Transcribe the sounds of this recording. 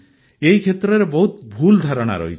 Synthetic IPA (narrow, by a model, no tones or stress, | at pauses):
eɦikʰet̪ɾɔɾebɔɦut̪bʱuld̪ʱaɾɔɽ̃a̰ɾɔ̰ɦḭt͡ʃ